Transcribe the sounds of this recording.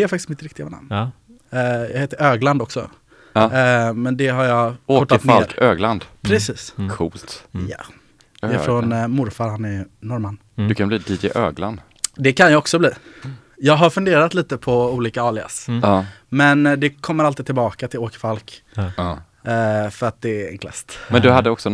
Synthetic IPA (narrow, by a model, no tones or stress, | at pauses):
d̪ɛɛɾfakt̪ɪsmɪt̪ɾɪkt̪ɪɡavana̰mn | jɑ̰heːt̪əɾøːɡland̪ɔksɔ̰ | mɛnd̪ɛɦaɾjɑkɔʈːanelɾøːɡland̪pʰɾɛsiːskʰṵːlt̪ja̰ | ɛɪfɾɔnmʊɾfaɾhanɛɾnɔɾmanː | d̪ɵkʰanbliːd̪iːd̪ɪʔøːɡla̰nd̪ | d̪ɛkʰanjaɔksɔbliː | jɑːɡɦaɾfɵnd̪eːɾat̪liːt̪əpʰɔuːliːkaɑːɭɪɡa̰s | mɛnd̪ɛkʰɔmːəɾalt̪iːd̚t̪ʰɪlbɑːkat̪ʰɪloːkə̥falk | fœɾat̪̚d̪ɛɛ̰nklɛ̰st̪mɛnd̪ɵɦad̪ːəɔksɔ